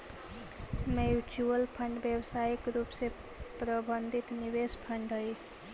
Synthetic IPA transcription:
mejut͡ʃuəlpʰəɳɖbjəwsaikɾuːpse | pɾəbənd̪ʱit̪niwespʰəɳɖɦəi

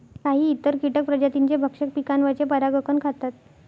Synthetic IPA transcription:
kaɦiːt̪ːəɾkiʈək̚pɾəd͡ʑat̪iɲt͡ɕebʱəkʂək̚pikanʋat͡ɕepəɾaɡəkənkʰat̪at̪̚

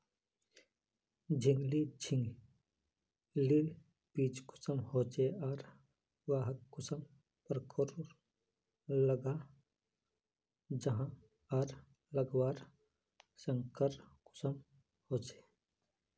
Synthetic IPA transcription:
d͡ʒʱɪŋɡlid͡ʒʰʱɪŋɡ | lil | piːt͡ʃkʊ̥səmhoːt͡ʃeɔːɾ | ʋaːɦəkːʊsəm | pəɾkʰəɾɾ | ləɡaː | d͡ʒəɦã | ɐɾ | ləɡwaːɾ | səŋkəɾkʊ̥səm | hoːt͡ʃe̥ː

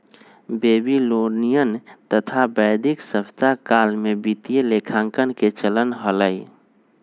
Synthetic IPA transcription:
beːbiloɽnijənt̪ət̪ʰabəjd̪ʱiksəpt̪akalmebit̪ijelekʰãːŋkənket͡ʃələnɦələj

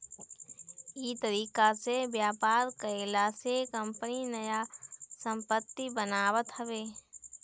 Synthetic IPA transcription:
iːt̪əɾiːkasebjaːpaːɾkəelasekə̃mpəninəjasə̃mpət̪ːibənaːwət̪ɦəʋeː

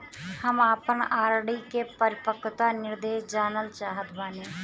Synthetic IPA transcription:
həmaːpənaːɾɽikepəɾɪpəkːt̪anɪɾd̪eːʃd͡ʒaːnəlt͡ʃaːɦət̪baːneː

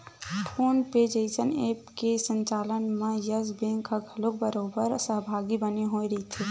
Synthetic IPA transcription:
ʈʰoːnped͡ʒəɪsəneːpkesə̃ɲt͡ʃaːlənmẽjəzbẽŋkʰaɡʰʱɐlok̚bəɾoːbəɾsəɦbʱaːɡibəneɦoːiɾɐit̪ʰe

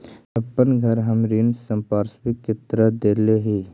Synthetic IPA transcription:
ɐpːənɡʱəɾɦəmɾinsə̃mpaːɾsbɪkt͡ʃɪt̪ɾəd̪eːleɦiː

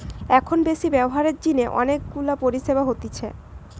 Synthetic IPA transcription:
ɛkʰonbeʃibɛboɦaɾeɾd͡ʑineʔɔ̰nek̚ɡulapoɾiʃebaɦot̪it͡ɕʰe

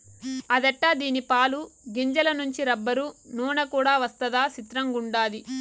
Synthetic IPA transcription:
ɐd̪ɛʈːaːd̪iːnipaːluɡiɲd͡ʒɐlɐnuɲt͡ʃiɾɐbːɐɾunuːnɐkuːɽaːʋɐst̪ɐd̪aːsit̪ɾɐŋɡuɳɖaːd̪i

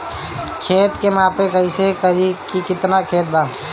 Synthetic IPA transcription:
kʰeːt̪kemãːpekəisekəɾikikɪt̪nakʰeːt̪̚baː

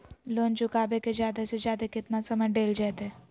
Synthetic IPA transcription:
lont͡ʃukabeked͡ʑjad̪esed͡ʑjad̪ekit̪nasəməɖeld͡ʑat̪e

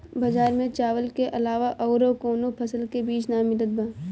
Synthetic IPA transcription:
bɐd͡ʒaːɾmẽt͡ʃaːʋəlkeʔɐlaːʋaʔɔʊɾokoːnopʰəsəlkebiːt͡ʃnamɪd̪əd̪̚bãː

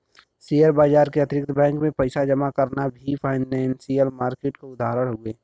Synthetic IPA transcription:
sijəɾbaːd͡ʒaːɾkeɐt̪ɾɪkt̪ʰbɛ̃ːŋkmẽpɐɪsad͡ʒɐmakɐɾnabʱipʰaːɪnɛ̃ːnsijəlmaːɾkeːʈkoʊd̪ʱaːɦɾəɽɦoɡeː

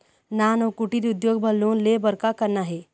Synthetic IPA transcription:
naːnokuʈiɾʊd̪joːɡbʱɐlːõːnlebɐɾkakəɾnaɦɛː

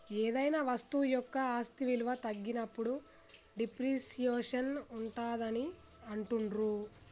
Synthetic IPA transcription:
eːd̪ɐjnaːʋɐst̪ujɔkːɐaːst̪iʋilʋɐt̪ɐɡːinɐpːuɽu | ɖipɾiːsijeːʂɐnuɳʈaːd̪ɐni | ɐɳʈuɳɖɾu

